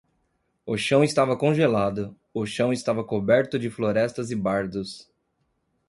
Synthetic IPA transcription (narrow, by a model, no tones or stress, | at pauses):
ʊʃɐ̃w̃ɪst̪avɐkõʒelad̪ʊ | ʊʃɐ̃w̃ɪst̪avɐkobɛɾt̪ʊd͡ʒɪfloɾɛst̪ɐzɪbaɾd̪ʊs